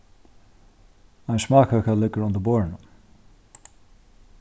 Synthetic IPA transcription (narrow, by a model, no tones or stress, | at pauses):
ɑɪnsmɑːkhœkalɪɡəɾʊnd̪əboːɹnə